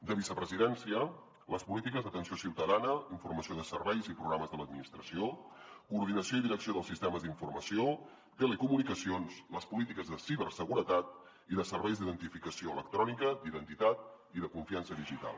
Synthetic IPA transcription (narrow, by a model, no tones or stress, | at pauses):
d̪əβisəpɾəziðɛnsiə | ləspulit̪ikəzðət̪ənsiosiwt̪əðanəiɱfurməsioðəsərβɛjzipɾuɣɾaməzðələd̪minist̪ɾəsiokuɾð̞inəsioiðiɾəksioð̞əlˠsist̪ɛməzd̪iɱfurməsio | t̪əlekumunikəsionsləspulit̪ikəzðəsiβ̞ərsəɣuɾət̪at̪̚ | iðəsərβɛjzd̪iðənt̪ifikəsioələk̚t̪ɾɔnikəd̪iðənt̪it̪at̪̚ | iðəkuɱfiansəðiʒit̪a̰lˠ